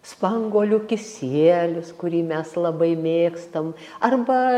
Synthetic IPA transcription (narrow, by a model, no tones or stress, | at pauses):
spɐŋɡoːlʲʊkʲɪsʲiɛlʲʊskʊɾʲiːmʲɛslˠɐbɐɪmʲeːkst̪ɐm | ɐrbɐ